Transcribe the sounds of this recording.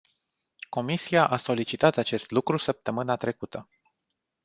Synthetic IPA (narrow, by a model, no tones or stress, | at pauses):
ko̞misiaʔaso̞lit͡ʃit̪at̪at͡ʃe̞st̪lukɾusəp̚t̪əmɨnat̪ɾe̞kut̪ʰə